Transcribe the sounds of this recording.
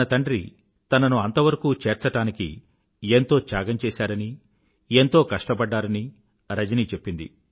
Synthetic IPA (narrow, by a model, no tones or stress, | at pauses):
ɐt̪ɐɳɖɾḭ | t̪ɐnɐnuɐnt̪ɐʋɐɾɐkuːt͡ʃeːɾt͡ʃɐʈaːnikḭ | ent̪o̞ːt͡ʃaːɡɐɲt͡ʃeːsaːɾɐni | ent̪o̞ːkɐʂʈɐpɐɖːaːɾɐni | ɾɐd͡ʒɐniːt͡ʃepːind̪ḭ